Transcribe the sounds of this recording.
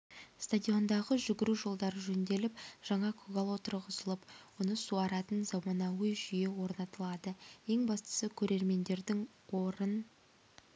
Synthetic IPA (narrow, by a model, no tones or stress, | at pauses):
st̪ad̪ʲijo̞nd̪ɑʁəʒʏɡʲɪɾuʒo̞lˠd̪ɑɾəʒɵnd̪e̞lɪp̚ʒ̥ɑɴɑkʰʊɡalˠwo̞t̪əɾʁəzəlˠəpwonəsuɑɾɑt̪ənzɑmɑnɑwəjʒʏje̞wo̞ɾnɑt̪əlˠɑd̪əje̞ŋbɑst̪ə̥səkʲʰɵɾe̞ɾme̞nd̪e̞ɾd̪ɪŋ | wo̞ɾən